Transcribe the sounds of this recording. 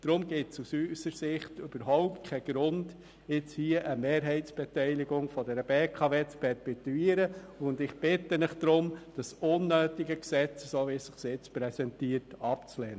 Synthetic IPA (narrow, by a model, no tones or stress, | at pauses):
d̥ɾʊmɡɪtsusysəɾsɪχtʏb̥əɾɦɔʊptkʰɛɡ̥ɾʊnd̥ | ɪt͡shiːəʔəmeːɾɦɛɪt͡sb̥ɛtɛɪliɡʊŋfɔdɛɾəbeːkʰɑveːt͡spʰɛɾpituiːəɾə | ʊndɪχb̥ɪtːənɪχd̪̥ɾʊmd̥əsʊnːøːtɪɡəksɛt͡ssoːvisɪχsɪt͡spɾɛsɛntiːəɾtɑpt͡slɛːnə